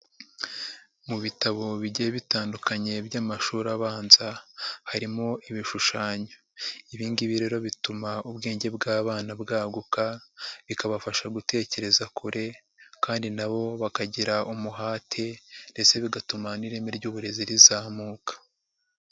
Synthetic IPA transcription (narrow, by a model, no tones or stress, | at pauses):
muβitaβo̞βiɟeeβitaːndukaɲe̞bjaːmaʃuːɾaβaːnzahaɾimo̞ʔiβiʃuʃaːɲa | iβiːndiβiɾe̞ɾo̞βitumaubɡe̞ːɲɟe̞bɡaːβaːnabɡaːɡukaβikaβafaʃaɡute̞ːce̞ɾe̞zakʰuɾʔe̞ | kaːndinaβo̞βakaɟiɾaʔumuɦaːtʰe̞nde̞t͡se̞βiɡatumaniɾe̞meɾɟuːβuɾe̞ziɾizaːmuːkḁ